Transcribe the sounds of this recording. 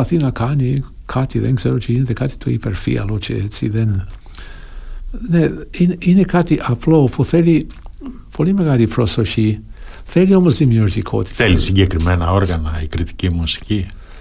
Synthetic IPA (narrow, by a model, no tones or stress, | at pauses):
ɐθinakʰani | kʰat̪iðenkz̥eɾot͡ʃiineðekat̪i̥t̪ʰoḭpeɾfḭɐ̰lot͡ʃeet͡sḭðen | neininekat̪iʔaplopuθeli | pʰolimeɣaɾipɾosoʃi | θeliolmosd̪imjuɾt̪ikʰo̰t̪i̥θelisiɲɟekɾimenɐo̞ɾɣɐnɐikɾit̪i̥cimusi̥ci